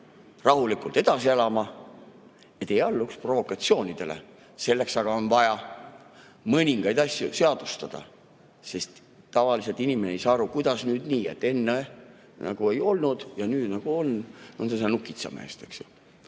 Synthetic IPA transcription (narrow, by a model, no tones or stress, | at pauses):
rɑɦulikˑult̪e̞d̪̥ɑsielɑmɑ | et̪ːˑejɑlːukspro̞vo̞kːɑt̪sio̞ːnʲid̪̥e̞lḛ | se̞lːe̞ksɑɡ̥ɑo̞nvɑjɑ | mɤnʲiŋɡ̥ɑjd̪ɑsʲjṵse̞ɑd̪̥ust̪ɑd̪̥ɑ̰ | se̞st̪ː | ɑvɑliset̪inʲime̞neejsɑːɑɾukujd̪̥ɑsnyːd̪niːḛt̪ːˑe̞nːe | nɑ̰ɡ̥ue̞jo̞lnud̪̥jɑnyːd̪nɑɡ̥uo̞nonsesenukːˑit̪sɑ̰mḛst̪e̞ksju̥